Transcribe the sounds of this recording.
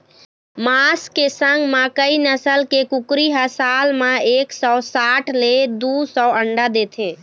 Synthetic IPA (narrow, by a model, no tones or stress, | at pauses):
maskesəŋɡmakəinəsəlkekukɾiɦəsalmaeksɔsaʈʰled̪usɔəɳɖad̪et̪ʰe